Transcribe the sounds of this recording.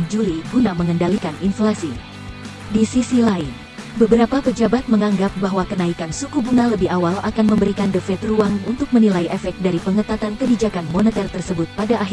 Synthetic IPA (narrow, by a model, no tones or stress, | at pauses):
d͡ʒuliɡunaməŋəndalikaninflasi | disisilain | bəbəɾapapəd͡ʒabat̪̚məŋaŋɡap̚baɦwakənaikansukubuŋaləbɪhawalakanməmbəɾikandəfɛt̪ruaŋunt̪ʊk̚mənilaiʔɛfɛk̚t̪̚daɾipəŋət̪at̪ankəbid͡ʒakanmonɛt̪ɛrt̪ərsəbʊt̪̚padaʔːɦ